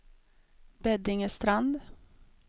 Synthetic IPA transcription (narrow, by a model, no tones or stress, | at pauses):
bɛd̪ɪŋəst̪ɾand̪